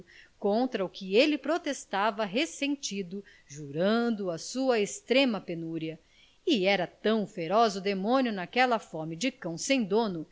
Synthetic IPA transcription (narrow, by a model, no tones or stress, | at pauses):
kõnt̪ɾɐʊkɪelɪpɾot̪est̪avɐɦesẽnt͡ʃid̪ʊ | ʒuɾɐ̃nd̪ʊɐsuɐest̪ɾẽmɐpenuɾiɐ | ɪɛɾɐt̪ɐ̃w̃feɾɔzʊd̪emõnijʊnakɛlɐfɔmɪd͡ʒɪkɐ̃w̃sẽj̃d̪õnʊ